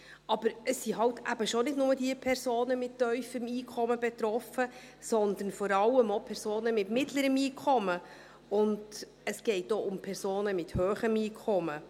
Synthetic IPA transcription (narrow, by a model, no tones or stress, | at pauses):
ɑb̥əɾəsːiɦɑwtʰæb̥əʃonɪdnʊmədiəpʰɛɾsoːnəmɪttːœʏfəmiːkʰɔməbɛt̪ɾɔfə | sɔnd̪ən̩fɔɾɑlːəmopʰɛɾsoːnəmɪtmɪtləɾəmiːkʰɔmə | ʊnd | əsɡ̥ɛɪtoʊmpʰɛɾsoːnəmɪthøːχəmiːkʰɔmə